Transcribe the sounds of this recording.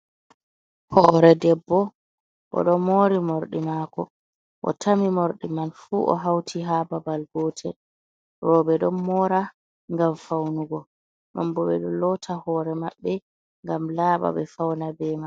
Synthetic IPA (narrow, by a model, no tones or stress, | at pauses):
hɔɾɛdɛbːɔ | ʔɔ̰ɗɔmoːɾimoɾɗimakɔ̰ | ʔɔ̰tʰamimoɾɗimanfuːʔɔ̰ɦawtʰiɦababalɡɔːtʰɛ | rɔbɛɗɔnmɔɾa | ŋɡamfawnuɡɔ | ɗɔmbɔɓɛɗɔlɔtʰahɔːɾɛmaɓːɛ | ŋɡamlaːɓa̰ɓɛfawnabɛman